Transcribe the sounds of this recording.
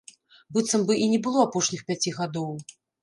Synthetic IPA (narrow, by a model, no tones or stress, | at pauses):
bɨt̪sɐmbɨʔinʲɛbɨlˠɔapɔʂnʲixpʲat͡sʲiɣad̪ɔw